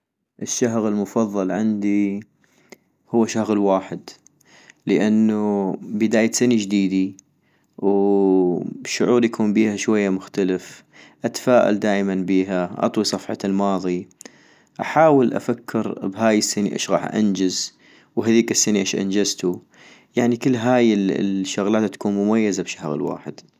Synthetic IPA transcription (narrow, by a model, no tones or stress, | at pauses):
ʔɪʃːaɦɣɪlmʊfɑðˤːɑlʕɪnd̪i | hʊwːaʃahɣɪlwaːħɪd̪ | ləʔanːubɪd̪aːjasanid͡ʒd̪iːd̪i | w | ʃːʊʕuːɾjakʰuːnbiːhaʃwajːamʊxt̪alɪf | ʔat̪ḁfaːʔa̰ld̪aːʔmanbiːɦaʔɑ̰t̪ˤwisˤɑfħɑ̰lmɑːðˤi | ʔaħaːwɪlʔa̰fakʰːɪɾbɦaːjɪsːɪniʔɪ̰ːʃɣɑ̰ːħʔa̰nd͡ʒɪz | wɦaðiːkɪsːɪniʔaʃʔa̰nd͡ʒazt̪u | jaʕnikɪlːɦaːjɪʃːʊɣlaːt̪t̪ːḁkuːnmʊmajːazabʃahɣlwa̰ːħɪd̪̥